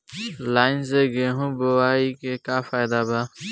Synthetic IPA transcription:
laːɪnzeːɡeːɦũːbowaːiːkeːkaːfaːjd̪aːbaː

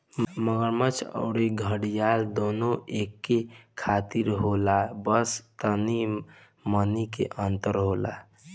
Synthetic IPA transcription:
məɡəɾmət͡ʃʰə̰ʊɾeɡʱəɽijald̪onoekːekʰat̪iɾɦolabəst̪əni | mənikḛʔənt̪əɾɦola̰

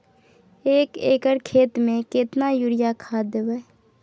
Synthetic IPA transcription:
eːkeːkəɾkʰeːt̪mẽkɪt̪najuɾɪjakʰaːd̪əʋɛː

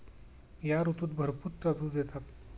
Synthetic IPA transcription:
jaɾut̪uːt̪bʱəɾput̪̚pad̪uːd͡zet̪ʰat̪

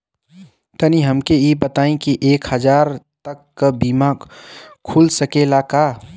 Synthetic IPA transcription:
t̪ɐniɦɐmkejibɐt̪aːĩkiʔeːkhəd͡ʒaːɾt̪ɐkːəbiːma | kʰulsəkeːlakaː

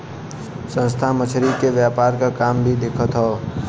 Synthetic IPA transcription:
sə̃nst̪ʰamət͡ʃʰɾikeʋjaːpaːɾkakaːmbʱid̪eːkʰət̪ɦɔː

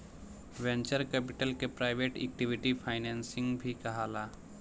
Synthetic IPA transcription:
ʋɛ̃nt͡ʃəɾkɛːpɪʈəlkepɾaːɪʋeːʈɛ̰ːk̚ʈɪʋɪʈipʰaːɪnɛ̃ːnsɪ̃ŋɡbʱikɐɦaːlaː

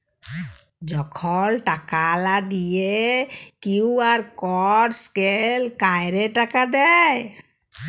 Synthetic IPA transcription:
d͡ʒɔkʰɔlʈakalad̪ijekiwaɾkɔɾskelkajɾeʈakad̪ɛj

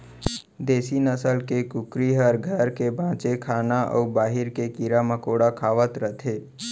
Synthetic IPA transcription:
d̪eːsinəsəlkekʊkɾiɦəɾɡʱəɾkebʱãːt͡ʃekʰaːnaʔɔ̰ubaːɦɪɾkekiɾamə̃koːɽakʰaːʋət̪ɾət̪ʰeː

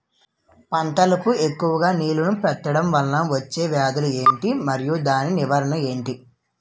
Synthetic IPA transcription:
pɐɳʈ̪ɐlɐpue̞kːuʋɐɡaːniːlunupɛt̪ːɐɽɐmʋɐlːɐʋɐt͡ʃːe̞ːʋjaːd̪ɐlueːɳʈimɐɾijud̪aːniniʋɐɾɐɳɐe̞ːɳʈi

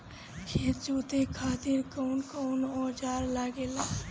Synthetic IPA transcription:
kʰet̪t͡ʃot̪ekʰaːt̪iɾkɔwnkɔwnɔd͡ʒaɾlaɡela

